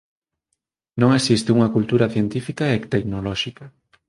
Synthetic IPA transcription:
nõŋesist̪euŋɐkult̪uɾɐθjent̪ifikaekt̪eknolɔʃika

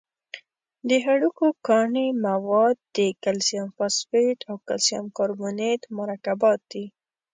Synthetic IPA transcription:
d̪əɦaɽukokɑɳemawɑd̪̚ːəkalsijɑmfɑsfeʈ̪awkalsijɑmkɑɾbunet̪maɾɑkabɑt̪̚d̪i

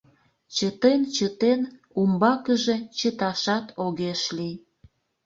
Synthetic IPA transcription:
t͡ɕət̪ent͡ɕət̪en | umbɑkəʒe̽t͡ɕət̪ɑʃɑt̪oɣeʃlij

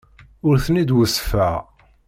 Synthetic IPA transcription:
ʊɾθnid̪wəsfæʁ

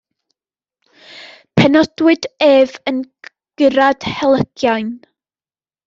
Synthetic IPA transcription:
pʰɛnɔd̥wɪdeːvən | ɡ̥əɾad̥hɛlˠəɡ̥jajn

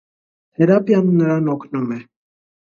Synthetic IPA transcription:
hɛɾapjannəɾanɔknɔmɛ

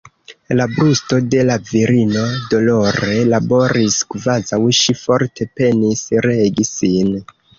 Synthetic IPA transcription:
labɾusto̞de̞laviɾino̞do̞lo̞ɾe̞labo̞ɾiskvazawʃifo̞ɾtʰe̞pe̞nisɾe̞ɡisin

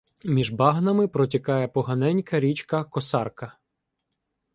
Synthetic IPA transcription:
mʲiʒbɑɦnɐmɪpɾɔtʲɐkɑjɛpɔɦɐnɛnʲkɐɾʲit͡ʃkɐkɔsɑrkɐ

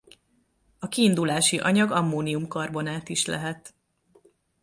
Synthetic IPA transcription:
ɒkiːnd̪ulaːʃiʔɒɲɒɡɒmːoːnijumkɒrbo̞naːt̪iʃlɛ̰ɦɛt̪

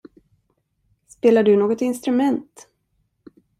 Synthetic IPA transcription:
speːlaɖɵnoːɡɔt̪ɪnst̪ɾɵmɛnt̪

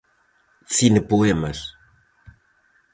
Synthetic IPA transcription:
sinɨpuemɐʃ

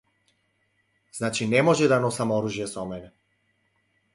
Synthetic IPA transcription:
znat͡ʃinɛmoʒɛd̪anɔsamoɾuʒjɛsɔmɛnɛ

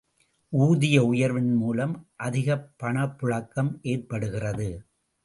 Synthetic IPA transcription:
ʔuːðɪjɐʊjɐɾʋɪnmuːlɐmʔɐðɪɣɐpːɐɳɐpːʊɻɐkːɐmʔeːrpɐɽɯɣɪrɐðɯ

